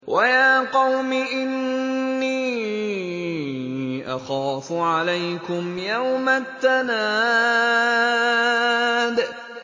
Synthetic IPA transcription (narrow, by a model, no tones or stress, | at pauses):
wʔajaːqɑwmɪʔɪnːiː | ʔa̰xaːfʊʕalajkʊmjawmaθːanaː | d̪